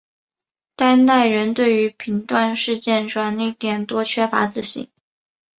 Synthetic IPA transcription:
t̪a˥nna˥˩ɪɻə˧˥nt̪we˥˩ɪy˧˥pʰi˧˥ŋt̪wa˥˧nʂɻ̩˥˧t͡ɕjɛ˥˧nʈ͡ʂwɑ˥˩ŋna˥˩t̪jɛ˨˩nt̪wɔ˥t͡ɕʰɥɛ˥fa̰˧˥t͡sɹ̩˥˩ɕḭ˧˥˦ŋ

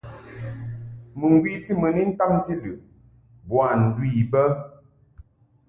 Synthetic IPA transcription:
mə˨ŋ˦ɡwi˦ti˦mə˨ni˦n̩˦ta˦ŋ˦ti˦lɨ˨ | bwa˨n̩˨dwi˦˨bə˦

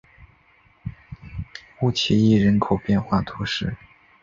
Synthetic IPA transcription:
u˥˩t͡ɕʰi˧˥i˥˩ɻə˧˥nkʰo˨˩ʊpjɛ˥˧nxwa˥˩t̪ʰu˧˥ʂɻ̩˥˩

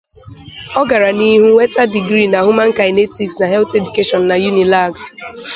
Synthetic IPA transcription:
ɔ˦ɡa˨ɾa˨ni˦ɦu˦wɛ˦ta˦di˨ɡɾi˦˨na˨hu˦mã˦n̩˦ka˨ɪ˨ne˦ti˨ksna˨ɦɛ˦lte˨du˨ke˦ʃɔ˨n˨na˨ju˦ni˨la˦˨ɡ

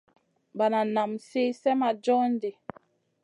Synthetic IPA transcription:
ba˨na˨na˨mse˦sɛ˦ma˨d͡ʒɔ˦n˦de˨

